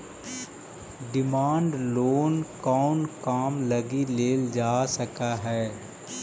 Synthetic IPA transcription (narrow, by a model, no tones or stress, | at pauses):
ɖɪmaːɳɖloːnkɔːnkaːmlɐɡileːld͡ʒaːsɐkaɦɛː